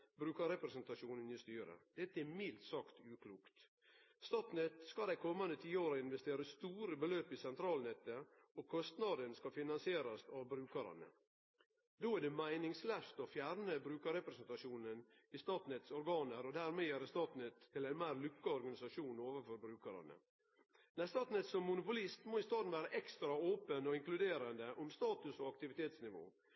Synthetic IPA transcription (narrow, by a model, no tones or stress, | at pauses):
bɾʉːkəɾɛpɾɛsɛnt̪ɑʂuːnənɪst̪yːɾə̰d̪̥ɛt̪ːəɛmɪlt̪sɑkt̪ʉːkʰluːkt̪ | st̪ɑːt̪nɛt̪skɑld̪æɪkʰɔmːɑnd̪ət̪ʰiːoːɾɑɪnʋɛst̪eːɾəst̪uːɾəbəløːpɪsɛnt̪ʰɾɑːlnɛt̪ːə | ɔkʰɔst̪nɑd̪ənskɑfɪnɑnsɪeːɾɑst̪ɑʋbɾʉːkɑɾɑ̰nə̰ | d̪oæɖɛmæɪnɪŋslæft̪ɔfjæːɾnəbɾʉːkəɾɛpɾɛsɛnt̪ɑʂuːnənɪst̪ɑːt̪nɛt̪sɔɾɡɑːnəɾɔd̪æɾmeːæɾst̪ɑːt̪nət̪ʰːɪlæɪnmæːɾlʉkːəɔɾɡɑnɪsɑʂuːnoːʋəfɔɾbɾʉːkəɾɑ̰nə̰ | næst̪ɑːt̪nɛt̪sɔmːʊnʊpʊlɪst̪moːɪst̪ɑːd̪n̩ʋæːɾɑʔɛkst̪ɾɑoːpənɔɪŋklʉd̪eːɾɑnd̪əʔɔmst̪ɑːt̪ʉsɔɑkt̪ɪʋɪt̪ʰeːt̪snɪʋo̰ː